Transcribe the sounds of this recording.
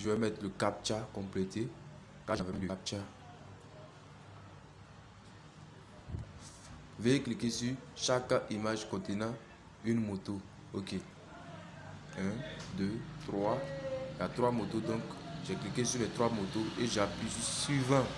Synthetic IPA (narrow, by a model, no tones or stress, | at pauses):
ʒəvɛmɛt̪ləkap̚t͡ʃakɔ̃plet̪e | kaʒavɛləap̚t͡ʃa | veeklikesyʃakimaʒkɔ̃t̪enã | ynmot̪o | oke | ɛ̃d̪øt̪χwajat̪ʁwamot̪od̪ɔ̃kʒɛklikesylɛt̪ʁwamot̪oeʒapisswivã